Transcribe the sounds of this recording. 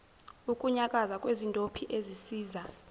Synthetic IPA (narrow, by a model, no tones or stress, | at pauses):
ukʼuɲakʼazakʼwezintʼopʰiʔezisiːza